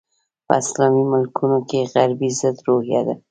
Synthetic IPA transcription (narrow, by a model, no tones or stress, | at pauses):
pə̰ɪslɑmimɪlkʰunokeɣaɾbizəd̪ɾohjad̪a